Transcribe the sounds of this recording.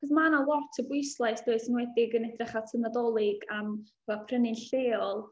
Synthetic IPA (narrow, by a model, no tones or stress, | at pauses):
χɔs̬manalˠɔtʰəbʊɨslˠaɨsd̥oɨsənwɛdɪɡənɛdrɛχatʰənədɔlˠɪɡam | apʰrənɨnɬeːɔlˠ